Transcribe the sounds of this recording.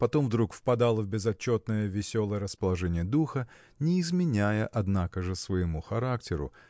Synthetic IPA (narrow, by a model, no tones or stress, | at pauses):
pɐt̪o̞mvd̪ɾukfpɐd̪alˠəvbʲɪzɐt͡ɕːo̞t̪nəjəvʲɪsʲo̞lˠəjəɾəspəlˠɐʐɛnʲɪjəd̪uxə | nʲɪːzmʲɪnʲæjəʔɐd̪nakəʐɨsvəjɪmuxɐɾaktʲɪɾʊ̰